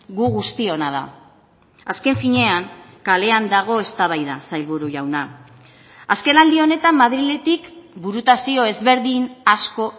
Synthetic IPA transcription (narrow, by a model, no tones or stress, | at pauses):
ɣuɣust̪io̞naða̰ | aske̞ɱfiɲe̞aŋkale̞and̪aɣ̞o̞e̞st̪aβ̞ajðasajlβuɾuʝawna | aske̞nald̪io̞ne̞t̪amːaðɾile̞t̪ikbuɾut̪asio̞e̞zβe̞ɾðinasko̞